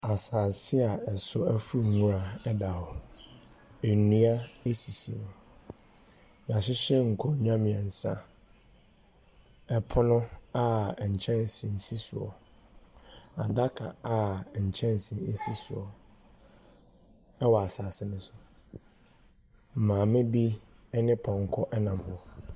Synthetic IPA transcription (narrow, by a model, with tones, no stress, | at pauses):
a˨saː˨sɪ˦a˨ɛ˨sʊ˦æ˦fu˦˨ŋũ˦a˨ɛ˦da˨hɔ˨ | e˨nũ˦a˦e˦si˨sĩ˨m̃˨ | ɲ˨ã˨ɕɪ˦ɕɛ˦ŋ̩˨kʰɔ˦ɲᶣ˦ã˦mɪ̃˨a˨n̩˨sã̰˦ | ɛ˦pʰʊ˦nʊ̃˦a˦˨ɲ̩˨t͡ɕʰɛ̃˦n˨sɪ̃˨n̩˨si˦sʊ˨ɔ̰˨ | a˨da˦kʰa̰˨a˦˨ɲ̩˨t͡ɕʰɛ̃˦n˨sɪ̃˨e˨si˦sʊ˨ɔ˨ | ɛ˦wɔ˨a˨saː˨sɪ˦nʊ̃˦sʊ˨ | m̩˨mãː˨mɪ̃˦bi˦ | ɛ˦nɪ̃˦pʰɔ̃˨ŋ̩˨kʰɔ˦ʔɛ˦nã˨m˨hʊ˨˦ɔ˨